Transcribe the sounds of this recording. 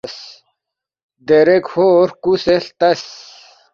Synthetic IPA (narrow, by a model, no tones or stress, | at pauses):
s | d̪eɾekhoɾkuseɬt̪ɐs